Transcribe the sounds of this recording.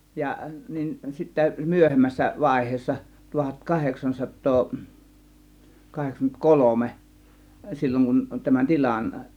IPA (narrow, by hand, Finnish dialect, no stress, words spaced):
jɑ nin sitːæ myøhemːæsːæ ʋɑˑe̝hˑeːsːɑ tuhɑt kɑheksɑnsɑtːoː kɑheksɑŋkymːent kolome silʲːoŋ kun tæmæn tilʲɑn